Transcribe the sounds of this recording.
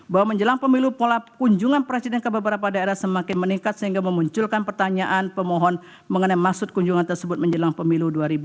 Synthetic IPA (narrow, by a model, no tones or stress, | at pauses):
bawaməɲd͡ʒəlaŋpəmilupolakuɲd͡ʒuŋanpɾesidɛnkəbəbəɾapadaeɾasəmakɪnməniŋkat̪̚səɦiŋɡaməmuɲt͡ʃʊlkanpərt̪aɲaʔanpəmoɦɔn | məŋənajmaksʊt̪̚kuɲd͡ʒuŋant̪ərsəbʊt̪̚məɲd͡ʒəlaŋpəmiluduaɾibu